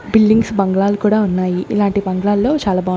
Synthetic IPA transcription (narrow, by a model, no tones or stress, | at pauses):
bilɖiŋɡsbɐŋɡɭaːlukuːɽaːunːaːjiʔilaːɳʈibɐŋɡɐɭaːlːo̞ːt͡ʃaːlaːbaː